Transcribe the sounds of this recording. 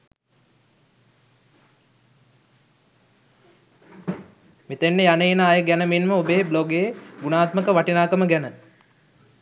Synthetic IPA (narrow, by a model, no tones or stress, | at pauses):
mit̪enːejanəinaːjəɡænəminməobeːbloɡejeɡunaːt̪məkəʋaʈinaːkəməɡænə